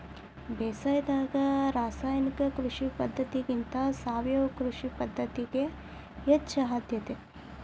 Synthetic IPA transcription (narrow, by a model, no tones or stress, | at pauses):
bɛːsaːjd̪aːɡɐɾaːsaːjnikɐkɾuʂipɐd̪ʱːɐt̪iɡint̪ɐsaːʋjɐʋɐkɾuʂipɐd̪ʱːɐt̪iɡeː | tːʃɐɦaːd̪ʱjɐt̪e